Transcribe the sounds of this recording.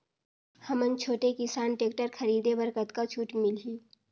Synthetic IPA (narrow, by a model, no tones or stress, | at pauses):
həmənt͡ʃʰoːʈekɪsaːnʈeːk̚ʈəɾkʰəɾiːd̪ebəɾkət̪kat͡ʃʰuːʈmɪlɦiː